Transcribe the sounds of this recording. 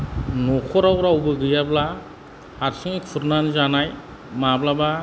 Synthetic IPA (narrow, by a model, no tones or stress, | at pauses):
nɔkʰɔɾawɾawbɯɡɯjabla | haɾsiŋikʰuɾnanzanaj | mablaba